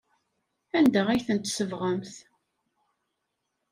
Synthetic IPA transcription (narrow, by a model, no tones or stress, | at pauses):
ænd̪æʁæjθənt̪səvʁəmθ